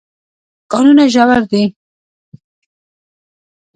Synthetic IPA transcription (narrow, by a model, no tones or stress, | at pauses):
kɑnunaʒawaɾd̪i